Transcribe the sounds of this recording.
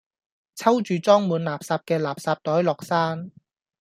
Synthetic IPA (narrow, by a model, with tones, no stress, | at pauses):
t͡sʰɐ˥wt͡ʃyː˨t͡sɔː˥ŋmuː˨˥nlaː˨p̚saː˧p̚kɛː˧laː˨˩p̚saː˧p̚t̪ɔː˨˥jlɔː˨˩k̚saː˥n